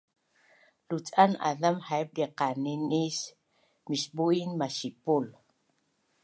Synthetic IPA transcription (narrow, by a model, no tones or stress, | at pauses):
lut͡sʼana̰lamhaeb̚liqaninis | miʃɓuinmaʃipul